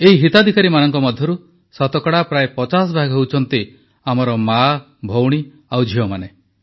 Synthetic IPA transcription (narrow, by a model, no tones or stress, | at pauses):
eɦiɦit̪ad̪ʱikaɾimanɔŋkɔmɔd̪ʱjɔɾu | sɔt̪ɔkɔɽapɾaepɔt͡ʃas̬ɔbʱaɡʱɦewt͡ʃʰɔnt̪i | amɔɾɔma | bʱowɽ̃i | awd͡ʒʱiɔmane